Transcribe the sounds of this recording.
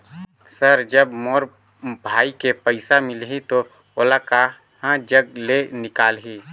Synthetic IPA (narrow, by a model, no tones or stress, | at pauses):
səɾd͡ʒəbmoːɾ | bʱaːikepəɪsamɪlɦĩt̪o | oːlaka | hãd͡ʒəɡ̚lenɪkaːlɦi